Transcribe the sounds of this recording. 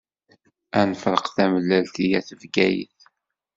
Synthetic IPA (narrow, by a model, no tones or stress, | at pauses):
ænfəɾəqθæməlːælt̪ijæθəvɡæjə̰θ